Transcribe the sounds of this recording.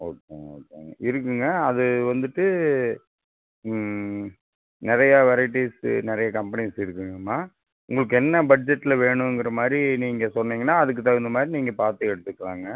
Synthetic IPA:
oːkeːoo̰ːkːḛɪɾɯkːɯŋɡɐɐðɯʋɐnd̪ɯʈːɯ | nɪɾɐjɐʋɛɾɐɪʈ̬ːisnɪɾɐjɐkɐmpɐnisɪɾɯkːɯŋɡɐmːaː | ʊ̰ŋɡɐɭɯk̬ːɯɛnːɐbɐɖ̚d͡ʒɛʈːɪlɐʋeːɳʊ̃ɛŋɡɪɾɐmaːd̪ɾiniːŋɡɐsɔnːiːŋɡɐnːaːɐðɯk̬ːɯt̪ːaɯnd̪ɐmaːd̪ɾiniːŋɡɐpaːɾt̪ɯɛɽɯt̪ːɯkːɐɭaːŋɡɐ

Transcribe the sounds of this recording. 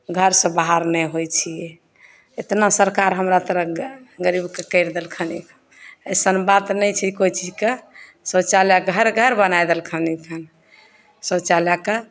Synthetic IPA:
ɡʱəɾsə̃baɦaɾnɛɦojt͡ʃʰijɛ | et̪nasəɾkaɾɦəmɾat̪əɾəɡəɾibkekəɪɾd̪elkʰənikʰ | əjsənbat̪nəjt͡ʃʰikoit͡ʃid͡ʒke | sət͡ʃaljaɡʱəɾɡʱəɾbənajd̪elkʰənikʰən | sət͡ʃaljake

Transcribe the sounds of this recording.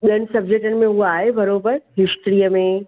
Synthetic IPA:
ɓiənɪ̆sɐbd͡ʑek̚ʈənɪ̆mẽuoaːɦebʱɐɾobəɾɦɪsʈɾiːəmẽ

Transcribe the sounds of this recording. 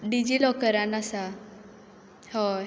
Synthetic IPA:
ɖid͡ʑilɔkəɾanasa | hɔ

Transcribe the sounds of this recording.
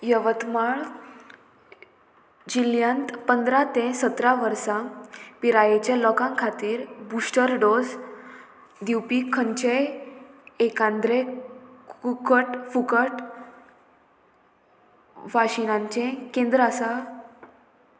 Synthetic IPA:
jəʋət̪maɭ | d͡ʑiljant̪pənd̪ɾat̪ẽsət̪ɾaʋəɾsapiɾajet͡ɕjalɔkãŋkʰat̪iːɾbusʈəɾɖoz | d̪iwpikʰəɲt͡ɕe | ekãnd̪ɾekukəʈfukəʈ | ʋaɕinãɲt͡ɕẽkẽnd̪ɾasa

